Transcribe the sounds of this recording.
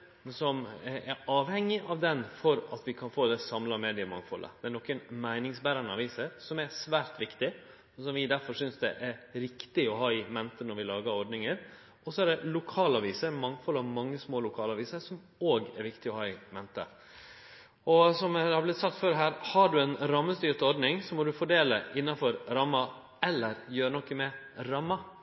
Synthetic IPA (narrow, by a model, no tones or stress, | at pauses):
sɔmɛɾɑːʋhɛŋːɪʔɑʋd̪ɛnfɔɾɑ̰t̪ʋɪkʰɑnfoːd̪ɛsɑmlɑmeːd̪ɪəmɑ̰ŋfɔlʔə̰d̪ɛæɾnɔkːənmæɪnɪŋsbæːɾɑnəɑ̰ʋiːsəɾsɔmæsʋæːɾt̪ʋɪkt̪ɪ | sɔmʋɪd̪æɾfɔɾsʏnsd̪ɛʔæɾʋɪkt̪ɪɔɦɑːɪmɛnt̪ənɔɾʋɪlɑːɡəɾɔɾɖnɪŋəɾ | ʔɔsɔæɖɛlʊkʰɑːlɑːʋiːsəɾmɑŋfɔlɑʋmɑŋːəsmoːlʊkʰɑːlɑːʋiːsəɾsɔm | oːɡɛɾʋɪkt̪ɪɔhɑːɪmɛnt̪ə̰ | ɔsɔmhɑblɪt̪sɑkt̪føːɾɦæːɾhɑɖʉɛnɾɑmːəst̪yːɾt̪əɔɾɖnɪŋsɔmɔd̪ʉfɔɖeːləʔɪnːɑfɔɾɾɑmːɑ | ɛlːəɾjøːɾənɔkːəmɛ | ɾɑmːɑ